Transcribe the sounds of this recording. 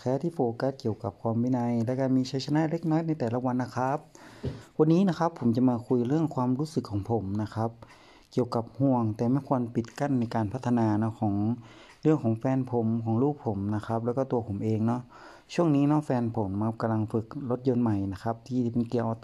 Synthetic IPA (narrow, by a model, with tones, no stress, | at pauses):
kʰɛː˧˥t̪ʰiː˧˩foː˨˧˩ka˧t̪̚ki˨˩əwka˨˩p̚kʰwaː˧mbiː˧˥˨na˧jlɛ˦˧˥ka˧˩miː˧t͡ɕʰa˧˥jsa˧naː˧˥˨le˦˧˥k̚nɔː˧˥˨jna˧jt̪ɛː˨˩la˧˥wa˧nːa˧˩kʰa˦˥p̚wa˧nːiː˦˥na˦˥kʰa˦˥pʰːo˩˦mt͡ɕa˧˨maː˧kʰu˧jlɯ˥˩əŋkʰwaː˧mɾuː˦˥sɯ˨˩kʰːɔː˨˦ŋpʰo˨˩˦mna˧˥kʰa˧˦˥p̚ | ki˨˩əwka˨˦p̚hu˧˩əŋt̪ɛː˨˩maː˧˥˨nkʰuː˧ə˨npi˨˩t̪̚ka˧˩˨nːa˧jkaː˨˧npʰa˧˥t̪ʰːa˧naː˧nɔ˧˥kʰɔː˩˦ŋ | lɯ˥˩əŋkʰɔː˨˩˦ŋfɛː˧npʰo˨˦mkʰɔː˨˦ŋluː˥˩k̚pʰo˩˦mna˧kʰa˧˦˥p̚lɛː˧˩wkɔ˧˩t̪u˧ɐpʰo˩˦mʔeː˧ŋnɔ˦˥ʔ | t͡ɕʰu˥˩əŋniː˧˥nɔ˧˦˥fɛː˧npʰo˩˦mːa˧p̚ka˧mla˧ŋfɯ˧k̚lo˧˦˥t̪̚jo˧nma˨˩jna˧˥kʰa˧˦˥p̚t̪ʰiː˧˩t̪ʰiː˧˩pe˨nki˧˩əwʔ